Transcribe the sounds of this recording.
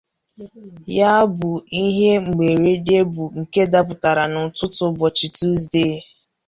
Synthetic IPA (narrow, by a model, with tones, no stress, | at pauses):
ja˦bʊ˨i˦ɦe˦ŋ͡m̩˨ɡ͡be˨ɾe˦de˦bu˨ŋ̩˨ke˦da˦pʊ˨ta˨ɾa˨nʊ˨tʊ˦tʊ˨bɔ˨t͡ʃi˨tu˦zde˦˨